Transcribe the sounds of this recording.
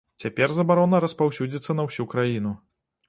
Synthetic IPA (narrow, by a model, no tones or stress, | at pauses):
t͡sʲapʲɛrzɐbaɾɔnɐɾɐspawsʲud͡zʲit̪sːɐnɐwsʲukɾajinu